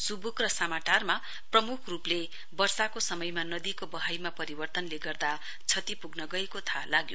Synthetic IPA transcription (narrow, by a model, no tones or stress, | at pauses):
subukrʌsamaʈarma | prʌmukʰruple | bʌrsakosʌmʌjmanʌd̪ikobʌɦajmapʌɾibʌrt̪ʌnleɡʌrd̪a | t͡sʰʌt̪ipuɡnʌɡʌekot̪ʰalaɡjo